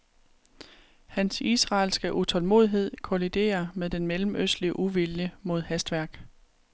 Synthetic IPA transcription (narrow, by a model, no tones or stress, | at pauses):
hænsisʁɑ̈ːlsɡ̥əʔut͡sʰɒ̽lmo̝̰ːðˠiɦe̝ð̰ˠkʰo̝lid̥e̝̰ːɐmeðˠd̥enmelm̩øsd̥liəʔuʋiljəmo̝ð̞̰ˠhæsd̥ʋæɐ̰ɡ̥